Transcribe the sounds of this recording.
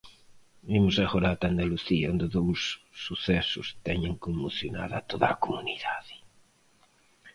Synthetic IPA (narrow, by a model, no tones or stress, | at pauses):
bimʊsaɣoɾat̪and̪aluθiaond̪ɪðowsːuθɛsʊst̪ɛɲeŋkomoθjona̰ða̰t̪oða̰ːkomuniðaðɪ